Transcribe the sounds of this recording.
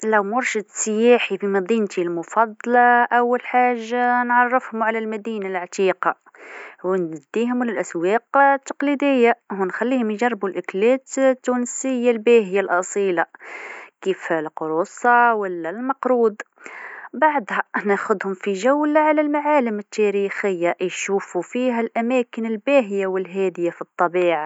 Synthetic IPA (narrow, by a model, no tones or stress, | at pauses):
læwmʊɾˤʃəd̪səjaħifimɑd̪ˤint̪ilmʊfɑd̪ˤːlɑʔæwːəlħaʒːanʕɑrˤːəfhʊmʕalælmæd̪inalʕt̪iqɑ | wnd̪ːiɦʊmləlʔæswɛqt̪ːɑqlid̪əjːaɦunxælːihʊmjʒɑrˤːbulʔʊklæt̪t̪ːunəsəjːalbæhəjːalʔɑsˤila | kiːflqʊɾuːsˤɑwəlːælmɑqɾuːd̪ | baʕd̪hænæxʊd̪hʊmfiʒawlaʕalælmaʕaːləmət̪ːæɾixəjːaʔjʃuːfufiːɦælʔæmæːkənəlbæɦɪjawəlɦæːd̪ɪjafit̪ˤːɑbiːʕa